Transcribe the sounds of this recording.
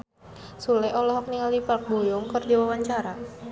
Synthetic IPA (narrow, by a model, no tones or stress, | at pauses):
sulɛʔɔlɔɦɔk̚niŋalipəlk̚bojɔŋkɨrd͡ʒiwawaɲt͡ʃaɾa